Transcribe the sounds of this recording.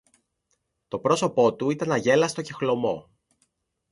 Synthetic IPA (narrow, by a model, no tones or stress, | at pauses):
t̪o̞pɾo̞so̞po̞t̪uit̪ɐnɐʝe̞lɐst̪ocixlo̞mo̞̰